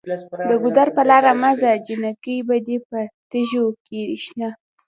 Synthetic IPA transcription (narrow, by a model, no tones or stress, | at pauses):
d̪əɡʊd̪aɾpəlɑɾamazad͡ʒinakəjbad̪epət̪əʒokeɾiʃna